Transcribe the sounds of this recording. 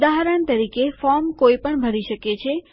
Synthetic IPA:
d̪aɦɾant̪əɾikefɔɾmkoipəɳbʱəɾiʃəket͡ʃʰe

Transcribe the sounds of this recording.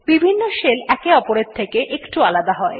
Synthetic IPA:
bibʱinːoʃelɛkeɔpoɾet̪ʰːekeʔekʈualad̪aɦɔe

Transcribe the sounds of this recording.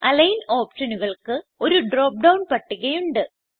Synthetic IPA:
ɐlɐjno̞ːpʂɐnuɣɐɭkɨo̞ɾuɖro̞ːp̚ɖɐwnpɐʈːuɣɐjuɳɖɨ

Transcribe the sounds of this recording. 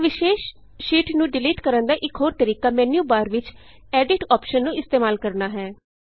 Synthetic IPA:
ʋɪʃeːʃ | ʃiːʈnũːɖɪliːʈkəɾənd̪aːʔɪkɦoːɾt̪əɾiːkaːmɛːnjuːbaːɾʋɪt͡ʃ | ɛːɖɪʈɔːpʃənːũːɪst̪eːmaːlkəɾnaːɦɛː

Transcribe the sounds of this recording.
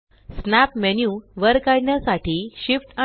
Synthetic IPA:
snæpmenjuʋəɾkaɽɳjasaʈʰiːɕifʈa

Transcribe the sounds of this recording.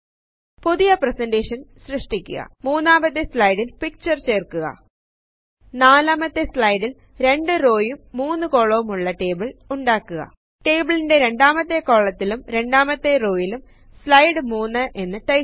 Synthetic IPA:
puðijɐprɐsɐndeːʂɐnɕrɨʂʈikʲːṵɣɐ̰muːnːaːmbɐt̪̬ːeslɐjɽilpik̚t͡ɕɐrt͡ɕe̞ːrkuɣɐ̰ | naːlaːmɐt̪ːeslɐjɽil | ɾe̞ɳɖɨro̞ːjumːuːnːɨko̞ːɭoʋumuɭːɐʈe̞ːbɨɭuɳɖaːkːuɣɐ̰ | ʈe̞ːbɨɭinde̞ɾe̞ɳɖaːmɐt̪ːe̞ko̞ːɭːɐt̪ːilumɾe̞ɳɖaːmɐt̪ːe̞ro̞ːjilum | slɐjɽɨmuːnːɨʔe̞nːɨʈɐj

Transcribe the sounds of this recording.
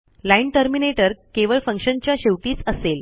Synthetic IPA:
laiɳʈəɾmineʈəɾkeʋəɭfəŋkʂənt͡ɕjaɕeʋʈiːt͡səsel

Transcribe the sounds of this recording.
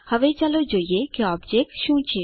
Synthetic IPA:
həʋet͡ʃalod͡ʒoːiekeɔːbd͡ʒek̚ʈʃũːt͡ʃʰeː

